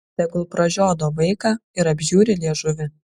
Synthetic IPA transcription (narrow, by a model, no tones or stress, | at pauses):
t̪ʲɛɡʊlˠpɾɐʒʲoːd̪oːʋɐɪkɑːɪɾɐbʲʒʲuːɾʲɪlʲiɛʒʊʋʲɪ